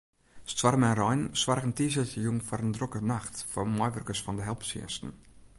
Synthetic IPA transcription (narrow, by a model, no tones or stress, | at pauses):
stwarmɛnrɔjnsʋarɣəntiːs̬ətjuŋfɔɾəndrokənaxtfɔmɔjʋørkəsfɔndəɦɛlˠpsḭəstn̩